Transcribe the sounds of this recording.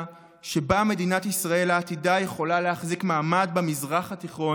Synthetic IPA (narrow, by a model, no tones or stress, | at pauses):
ʃe̞bame̞dinatisʁae̞laːt̪idaje̞χo̞laleaχzikmaːmad̪bemizʁaχat̪iχʁo̞